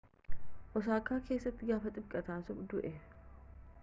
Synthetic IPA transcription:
ʔɔsaːkːaːkʰe̞ːsːɐt̪ːɪɡaːfɐt̪ʼɪbkʼːɐt̪aːsʊfd̪ʊʔɛ

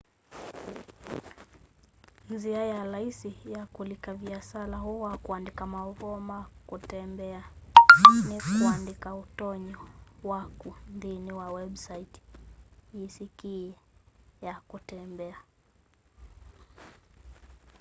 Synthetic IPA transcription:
ziajaɾaisijakulikaviasalaɦuwakuandikamaɔvɔmakutɛmbɛa | nikuandikautɔɲɔwakundiniwawɛɓsaiti̥ | isiki | jakutɛmbɛa

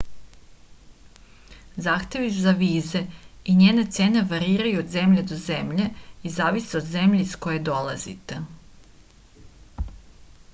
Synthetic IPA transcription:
zaːxt̪je̞ʋizaʋiːze̞iɲeːnet̪se̞ːne̞ʋaɾiːɾajuod̪ze̞mʎed̪o̞ze̞mʎe̞izaːʋiseo̞d̪ze̞mʎiizko̞je̞d̪o̞lˠa̰zḭt̪e

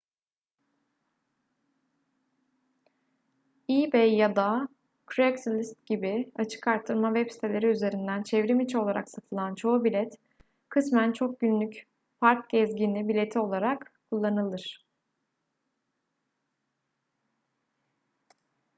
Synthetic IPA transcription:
ibejjad̪a | kʰɾɛksilʲist̪̚ɟibiat͡ʃʰɯ̥kaɾt̪ʰːɯɾmavɛpsi̥t̪ʰelʲe̞ɾiyze̞ɾind̪ænt͡ʃʰɛvɾimit͡ʃʰo̞lˠaɾa̰ksat̪ʰɯlˠant͡ʃʰo̞ubilʲɛt̪ | kʰɯsmænt͡ʃʰok̚ɟynlʲyc | faɾk̚ɟɛzɟinʲibilʲe̞t̪ʰio̞lˠaɾakkʰulˠːanɯlˠɯɾ̥

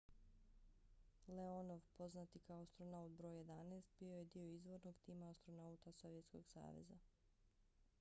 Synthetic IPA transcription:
leonoʋpo̞znat̪ikaoast̪ɾonaut̪bɾo̞ːjje̞d̪aneːst̪bijo̞je̞d̪io̞izʋo̞ɾno̞ɡt̪iːmaːst̪ɾo̞naut̪aso̞ʋjet̪sko̞̰ɡsa̰ːʋḛza̰

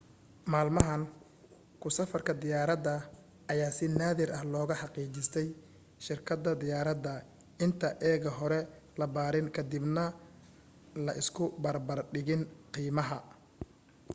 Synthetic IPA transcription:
maːlmɐɦɐn | kʰʊsɐfɐrkʰɐd̪ɪjaːɾɐd̪ɐ | ʔɐjaːsɪnaːðɪɾʔɐhlɔːɣɐħɑqiːt͡ʃɪst̪ʰɛj | ʃɪrkʰɐd̪ɐd̪ɪjaːɾɐd̪ɐ | ɪnt̪ʰɐʔɛːɣɐɦɔɾɛ | lɐbaːɾɪnkʰɐd̪ɪbnɐ | lɐʔɪskʰʊbɐrbɐrɖɪɣɪnqiːmɐɦɐ

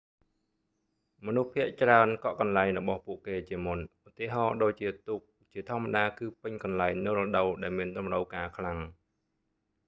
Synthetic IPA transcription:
mɔnuhpʰiəʔt͡ɕraənkɑʔkɑnlaɛŋrɔɓɑhpuəʔkeːt͡ɕiəmunʔut̪ːiəɦɑːɗoːc̚t͡ɕiət̪uk̚t͡ɕiət̪ʰŏəmːaɗaːkɨːpɨɲkɑnlaɛŋnɨwrɔɗəwɗaɛlmiənɗumrəwkaːkʰlaŋ

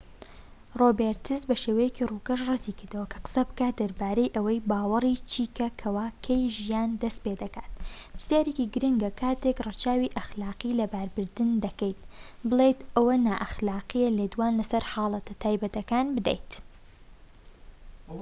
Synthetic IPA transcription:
roːbeɾt̪ʰɨzbɐʃeːwɐjeciruːkɐʃ̬rɨt̪ʰiːkɨɾd̪ɐwɐkʰɐ̥qɨ̥sɐbɨ̥kaːt̪̚d̪ɐɾbaːɾejʔɐwɐjbaːwɐrˤit͡ʃʰiːkʰɐkʰɐwaːkʰɐjʒijaːnd̪ɐst̪̚ped̪ɐka̰ːt̪b̥ɨsjaːɾekiɡɨɾɨŋɡɐkʰaːt̪ekrɨt͡ʃaːwiʔɐxlaːqilɐbaːɾbɨɾd̪ɨnd̪ɐkejt̪̚bɨlˠet̪ʔɐwɐnaːʔɐxlaːqijɐleːd̪waːnlɐsɐɾħɑːlˠɐt̪ʰɐt̪ʰaːjbɐt̪ɐkaːnbɨd̪ḛjt̪

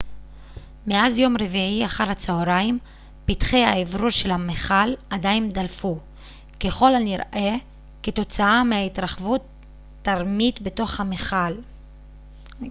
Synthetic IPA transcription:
meazjo̞mɾeviiaχaɾhat͡saoɾaim | pitχejaevɾuʃe̞lhameχaladaindalfu | ke̞χo̞lalniʁʔe | keto̞t͡saameaitʁaχvutː | aʁmitbeto̞χhameχal

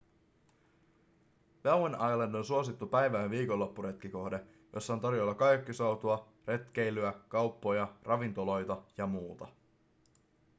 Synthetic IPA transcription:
ʋewenɑjlendo̞nsuosit̪ːupæjʋæːnʋiːko̞lːo̞pːuɾe̞t̪k̟iko̞hde̞ | jʔo̞sːɑoːnt̪ɑɾjo̞lːɑkɑjkːisowt̪uɑ | re̞t̪k̟e̞jlyækɑwpːo̞jɑrɑʋint̪o̞lo̞jt̪ɑjɑmuːt̪ɑ

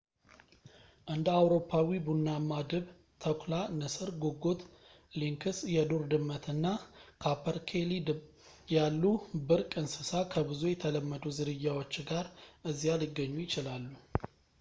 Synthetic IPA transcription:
ʔɨnd̪əawɾo̞pʰːawibunːamad̪əβ | t̪ʰəkʰʷʼlanəsəɾɡoɡːo̞t̪ | liŋkʰɨsjɛd̪oɾd̪ɨmːət̪ʰɨnːakʰapʰəɾkʰeli | jalːubɨɾkʼɨnsɨsakʰəbɨzujɛt̪ʰələmːəd̪uzɨɾɨjːawo̞t͡ʃːɡaɾʔɨzːijalɪɡːəɲːujɪt͡ʃɪlalːu

